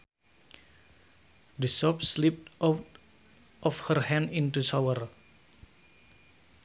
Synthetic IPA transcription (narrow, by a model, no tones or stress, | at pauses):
d̪əsɔp̚slip̚t̪ | ʔɔfhərhɛ̃ndint̪usawər